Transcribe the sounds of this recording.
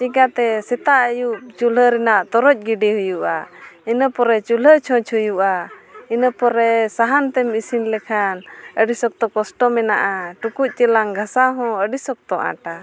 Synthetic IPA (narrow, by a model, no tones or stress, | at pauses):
t͡ʃiɡat̪ɛsɛt̪aʔəjuʔt͡ʃuləɾɛnaʔt̪ɔɾɔc̚ˀɡiɖiɦujuʔa̰inəpɔɾɛt͡ʃulət͡ʃʰɔ̃t͡ʃʰɦujuʔainəpɔɾɛsaɦant̪ɛmisinlɛkʰanəɖisɔk̚t̪ɔkɔsʈɔmɛnaʔaʈukuc̚ˀt͡ʃəlaŋɡʱasaɦɔ̃əɖisɔk̚t̪ɔʔã̰ʈa